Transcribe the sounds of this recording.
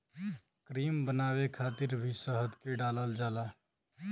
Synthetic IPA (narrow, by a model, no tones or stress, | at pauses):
kɾiːmbənaːwekʰaːt̪ɪɾbʱisəɦəd̪keɖaːləld͡ʒaːla